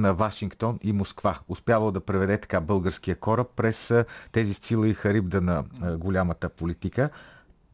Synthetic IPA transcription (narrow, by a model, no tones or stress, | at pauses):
nɐvaʃiŋkt̪ɔnimoskvaʊspjavɐlˠod̪ɐpɾɛvɛd̪ɛt̪ɐ̥kabɤlˠɡəɾskijəkɔɾəpːɾɛst̪ɛzist̪silˠəixɐɾibd̪ənɐɡolʲamət̪əpolit̪ikə